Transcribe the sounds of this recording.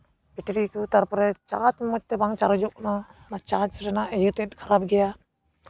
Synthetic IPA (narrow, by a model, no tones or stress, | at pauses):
biʈiɾikut̪aɾpɔɾɛt͡ʃat͡ʃmɔt͡ʃ̚t̪ɛbaŋt͡ʃaɾɔd͡ʒɔʔ̚nanat͡ʃat͡ʃɾɛnaʔɛjut̪ɛt̪̚kʰaɾap̚ɡɛja